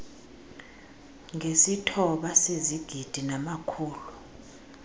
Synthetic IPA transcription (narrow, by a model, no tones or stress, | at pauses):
ŋʱesitʰɔɓaseziɡ̥ʱid̥ʱinamakʰuːlu